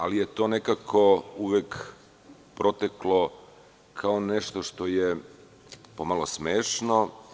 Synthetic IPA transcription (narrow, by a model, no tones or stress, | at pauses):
alijet̪oːnekakʰouʋek | pɾot̪eklo | kʰaoneʃt̪oʃt̪o̞je | pomalˠosmeːʃno